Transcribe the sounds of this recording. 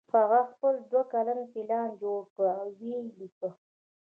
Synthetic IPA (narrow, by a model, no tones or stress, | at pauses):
haɣaxpəld̪wakalanfilɑnd͡ʒoɽkəawwelikə